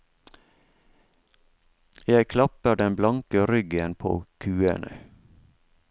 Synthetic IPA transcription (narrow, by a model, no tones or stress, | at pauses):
jæɪkʰlɑpəɖɛnblɑŋkəɾʏɡənpʰo̰ːkʰʉːə̰nə̰